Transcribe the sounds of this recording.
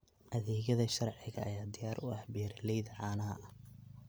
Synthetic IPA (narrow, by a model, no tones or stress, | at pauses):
ʔɐðiːɣɐðɐʃɐrʕɪɣɐʔːɐjaːd̪ɪjaːɾʔʊʔɐhbɛːɾɪlɛjðɐʕɑːnɐɦɐ̰ʔɐ